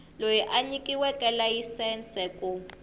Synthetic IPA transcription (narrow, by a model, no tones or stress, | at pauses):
lojɛʔaɲikʼiwɛkʼɛlajisɛnsɛkʼu